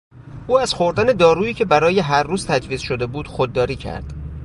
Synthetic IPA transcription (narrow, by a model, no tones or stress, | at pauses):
ʔuːæz̥xo̞ɾd̪æne̞d̪ɒːɾuːiːcʰe̞bæɾɒːje̞ɦæɾːuːz̥t̪ʰæd͡ʒviːzʃod̪e̞buːd̪̥xod̪ːɒːɾiːcʰæ̰ɾd̪̥